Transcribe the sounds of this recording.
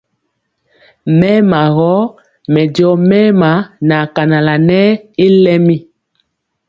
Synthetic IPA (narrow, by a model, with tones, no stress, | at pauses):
mɛ˦ma˨ɣɔ˦ | mɛ˨djɔ˨˦mɛ˦ma˨˦na˨ka˨na˨la˨nɛ˦i˦lɛ˦mi˦